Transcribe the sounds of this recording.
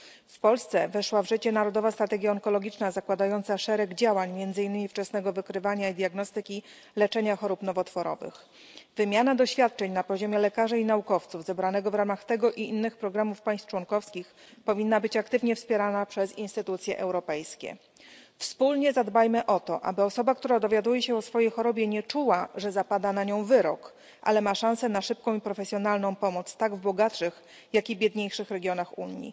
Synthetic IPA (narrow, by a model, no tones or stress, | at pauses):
fpɔlst̪sɛvɛʂwavʐɘt͡ɕɛnaɾɔd̪ɔvast̪ɾat̪ɛɡʲjaɔŋkɔlɔɡʲit͡ʂnazakwad̪ajɔnt̪saʂɛɾɛɡd͡ʑawaɲmjɛnd̪zɘinːɘmʲift͡ʂɛsnɛɡɔvɘkɾɘvaɲaid̪ʲjaɡnɔst̪ɘkʲi | lɛt͡ʂɛɲaxɔɾupnɔvɔt̪fɔɾɔ̰vɘ̰x | vɘmʲjanad̪ɔɕfʲjat̪̚t͡ʂɛɲnapɔʑɔmʲjɛlɛkaʐainaukɔft̪suvzɛbɾanɛɡɔvɾamaxt̪ɛɡɔʔiinːɘxpɾɔɡɾamufpaj̃st̪t͡ʂwɔŋkɔfskʲix | pɔvʲinːabɘt͡ɕakt̪ɘvɲɛfspʲjɛɾanapʂɛzinst̪ɘt̪ut̪sʲjɛ̰ʔɛwɾɔpɛjskʲɛ̰ | fspulɲɛzad̪bajmɘʔɔt̪ɔʔa̰bɘɔsɔbak̚t̪uɾad̪ɔvʲjad̪ujɛɕɛɔsfɔjejxɔɾɔbʲjɛɲɛt͡ʂuwaʐɛzapad̪anaɲɔ̃w̃vɘɾɔk | ʔa̰lɛmaʂãñsɛnaʂɘp̚kɔ̃w̃ipɾɔfɛsʲjɔnalnɔ̃w̃pɔmɔt̪st̪aɡvbɔɡat̪ʂɘx | jakʲibʲjɛd̪ɲejʂɘxɾɛɡʲjɔnaxṵɲːḭ